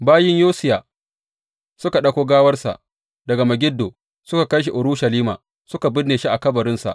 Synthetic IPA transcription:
baː˦jɪ˦ɲjoː˦sɪ˦jaː˨ | sʊ˦ka˨ɗɐ˦kʷoː˦ɡaː˦wɐ˦rsa̰˨ʔ | dɐ˨ɡa˨mɐ˨ɡʲɪ˦dːoː˨ | sʊ˦ka˨kɐ˦jʃ̬i˨ʔʊ˨ɾʊ˦ʃɐ˨liː˦ma̰ː˨ | sʊ˦ka˨bɪ˦nːeː˨ʃi˦ʔa˨kɐ˦bɐ˨ɾɪ˦nsa̰˨ʔ

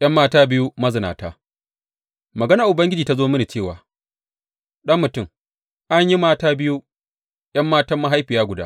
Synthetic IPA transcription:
jʔɐ˦mːaː˦taː˦bɪ˦ju˦mɐ˦zɪ˨naː˨taː˦ | mɐ˨ɡɐ˦naː˨ʔʊ˨bɐ˦ŋɡʲɪ˦d͡ʒiː˨ta˦zoː˦mɐ˦ni˨t͡ʃeː˦˨waː˨ | ɗɐ˦mːʊ˨tʊ˦˨m | ʔa˦ɲji˦maː˦taː˦bɪ˦ju˦ | j̰ɐ˦mːaː˦tɐ˦mːa˦ɦa˦jɸi˨jaː˦ɡʷʊ˨daː˦

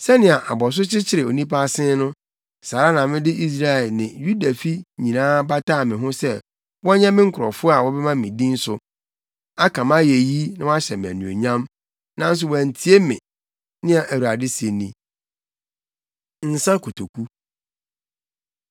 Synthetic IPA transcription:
sɛ˦nɪ̃˨a˨ʔa˨bɔ˨s̬ʊ˦t͡ɕɪ˦t͡ɕʰɪ˨ɾɪ˨o˨nĩ˦pa˦˨sɪ̃˦nʊ̃˦ | saː˨ɾa˦nã˨mɪ̃˦dɪ˦ʔi˦s̬ɾa˦ɛ˨lnɪ̃˨ju˦da˨fi˦ɲĩ˨nãː˦ba˦taː˦˨mɪ̃˨ɦʊ̃˦sɛ˦ | wɔ˦ɲɛ̃˦mɪ̃˦ŋ̩˦kʰʊ˨ɾɔ˨fʊ˦a˨wɔ˦bɛ˦mã˦˨mĩ˨dĩ˦n̩˦sʊ˨ | a˦kʰã˨mã˦je˨ji˦nã˦wa˦ɕɛ˨m̃˨æ̰˨nũ˨o̰˨ɲã˦m | nã˦n̩˦s̬ʊ˨wæ˨n̩˨tʰi˨˦e˦mɪ̰̃˨ | nɪ̃˦a˨ʔæ˨wu˨a˨dɪ˦se˨nĩ˦ | n̩˨sã˦kʰo˨tʰo˨kʰu˦

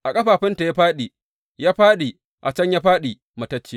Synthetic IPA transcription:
ʔa˨kʼɐ˦ɸaː˨ɸɪ˦nta˨ja˦ɸaː˦ɗi˨ | jaː˦ɸaː˦ɗi˨ | ʔa˨t͡ʃɐ˦ɲja˦ɸaː˦ɗi˨ | mɐ˨tɐ˦t͡ʃːi˦

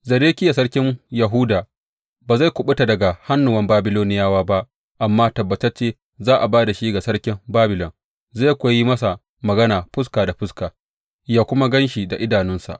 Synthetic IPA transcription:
zɐ˨ɾeː˦kʲɪ˦ja˨sɐ˦ɽkʲɪ˦ɲjɐ˨ɦu˦daː˨ | baː˨za˦˨jkʷʊ˨ɓʊ˦ta˨dɐ˨ɡa˨ha˦nːʊ˨wɐ˦mbaː˦bɪ˦loː˦nɪ˦jaː˦waː˦ba˦ʔ | ʔa˨mːaː˦tɐ˨bːɐ˨tɐ˦t͡ʃeː˦ | zaː˦ʔa˨baː˦da˨ʃi˦ɡa˨sɐ˦ɽkʲɪ˦mbaː˦bɪ˨lɔ˨n | za˦˨kʷa˨ji˦mɐ˦sa˨ | mɐ˨ɡɐ˦naː˨ɸʊ˦s̬kaː˨da˨ɸʊ˦skaː˨ | jaː˦kʷʊ˦ma˦ɡɐ˦nʃi˨da˨ʔɪ˦daː˨nɪ˦nsa̰˨ʔ

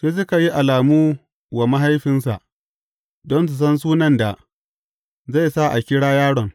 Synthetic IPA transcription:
ɸe˦s̬ʊ˦ka˨ji˦ʔa˨laː˨muː˦ | wa˨ma˦ɦa˦jɸɪ˦nsa̰˨ʔ | dɔ˦ns̬ʊ˨s̬ɐ˦ns̬uː˦nɐ˦nda˨ | za˦˨jsa˦ʔa̰˨kʲɪ˦ɽaː˦jaː˦ɽɔ˨ŋ

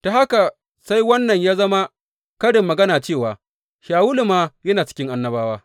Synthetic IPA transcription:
to˨ha˦ka˨ | sa˦jwɐ˦nːɐ˨ɲjaː˦zɐ˦ma˦ | kɐ˦ɽɪ˨mːɐ˨ɡɐ˦naː˨t͡ʃeː˦˨waː˨ | ʃaː˨wu˦lʊ˨maː˦jɐ˦naː˨t͡ʃɪ̥˦kʲɪ˦ŋʔa˦nːɐ˦baː˦waː˦

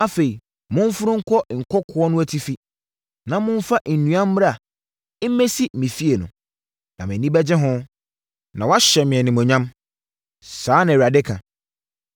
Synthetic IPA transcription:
a˦fe˨ɾi˨ | mʊ̃˦n˦fʊ˦ɾʊ̃˦ŋ̩˦kʰɔ˦˨ŋ̩˨kʰɔ˦kʰʊ˦ɔ˦nʊ̃˦æ˦tʰi˦fi˦ | nã˨mʊ̃˦ɱ˦fa˦ʔ̩˨nũ˨ã˦m̩ː˦ɾa˦a˨˦ | me˦si˦mĩ˨fi˦e˨nʊ̃˨ | nã˨mɪ̃˨nĩ˦bæ˦d͡ʑɪ̃˦ɦʊ̃˦ | nã˨wa˦ɕɛ˨mɪ̃˨ɛ˨nɪ̃˨mɔ̃˨ɲã˦m | saː˨˦nã˨a˨dɪ˦kʰã˨

